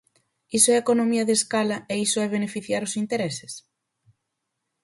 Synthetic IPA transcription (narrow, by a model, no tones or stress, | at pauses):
isoɛekonõmiɐðeskalɐeisoɛβ̞enefiθjaɾʊsint̪eɾɛse̥s